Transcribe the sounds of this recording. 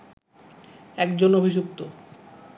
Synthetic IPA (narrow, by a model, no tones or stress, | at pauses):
ɛkd͡ʑonobʱid͡ʑuk̚t̪o